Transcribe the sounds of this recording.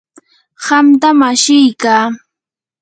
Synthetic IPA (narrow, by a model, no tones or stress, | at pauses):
ɢɑmt̪amaʃɪjkaː